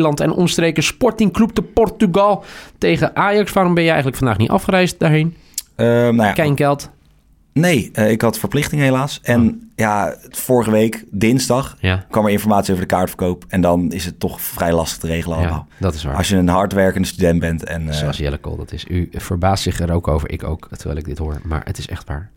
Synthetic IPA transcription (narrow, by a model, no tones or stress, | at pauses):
lɑntɛnɔ̰nəstrejkəspɔɹtɪŋklup̚təpɔrtyɡɑlˠtejχəʔaːjɑksʋaːɾɔmbɛnjəɛjxənləkfɑndaːχnitʔɑ̰fχəɾɛjst̚daɹɦejn | ənajaːkɛjnɡɛlˠt | nejəɪkɦɑtfəɹplɪχtɪŋəɦejlaːsɛnjafʊːɹəχəʋejkdɪnzdɑχkʋɑməɹɪ̃nfɔɹmaːtsiowədəkaːɹtfə̥ɹkowpɛndɑnɪsətːɔχfrɛjlɑstə̥χtərejχələnɑlˠəmaːlˠdɑtɪsʋa̰ːɑsjəənɦɑɹtʋɛɹkəndəstydɛnt̚bɛntɛ̰nosjɛ̰ləko̰lˠdɑ̰tɪsyv̥əɹbaːstsɪχɛɾowkowvəɹʔɪ̰ko̰wktəɹʋɛ̰ːlˠɪɡ̚dɪtɦoːɹma̰ːɹə̰tɪsɛ̰χtʋa̰ːɹ